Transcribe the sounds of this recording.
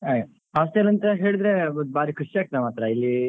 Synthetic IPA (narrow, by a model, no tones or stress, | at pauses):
ajɐ | ɐɐst̪eɐlːɐnt̪ɐɦe̞ːɭid̪ɾebaːɾikʰuʂiaːɡk̚t̪emaːt̪ɾɐilːi